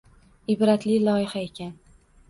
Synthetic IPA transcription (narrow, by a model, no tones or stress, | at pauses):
ɪbɾat̪lɪlˠɒɪhae̞kʲʰan